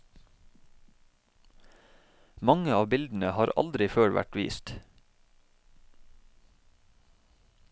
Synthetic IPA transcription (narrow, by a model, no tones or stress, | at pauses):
mɑŋəɑːbɪld̪n̩əhɑːɾɑ̰ld̪ɾɪføːɽʋæ̰ʈʋḭːst̪